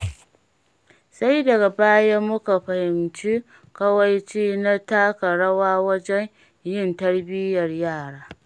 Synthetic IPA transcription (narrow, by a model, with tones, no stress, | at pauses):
sa˦jdɐ˨ɡa˨baː˦ja˦mʊ˦ka˨ɸɐ˨hɪ˨mt͡ʃi˦ | kɐ˦wa˨jt͡ʃiː˦na˦taː˦ka˨ɽɐ˦waː˦wɐ˦d͡ʒɛ˦n | jɪ˦˨ntɐ˦ɽbɪ˦jɐ˨rjaː˦˨ɽaː˦